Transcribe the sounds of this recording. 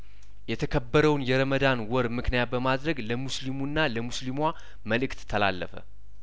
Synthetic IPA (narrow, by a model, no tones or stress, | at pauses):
jɛt̪ʰəkʰəbːəɾəwnjɛɾəməd̪anwɔɾmɨknijat̪̚bəmad̪ɾəɡləmuslimunːaləmuslimwʷa | məlɨkt̪ʰːəla̰lːəfə̰